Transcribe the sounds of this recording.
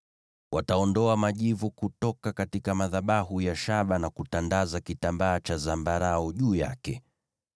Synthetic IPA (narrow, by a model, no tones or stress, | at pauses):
wataɔndɔamaʄivukutɔkakatikamaðaɓaɦujaʃaɓanakutandazakitambaːt͡ʃazambaɾaɔʄuːja̰kɛ